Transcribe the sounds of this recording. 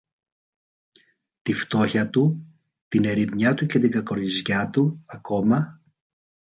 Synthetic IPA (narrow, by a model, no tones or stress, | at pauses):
t̪ift̪o̞çɐt̪u | t̪ine̞ɾimɲɐt̪uce̞t̪iɡɐko̞ɾizʝɐt̪uɐko̞mɐ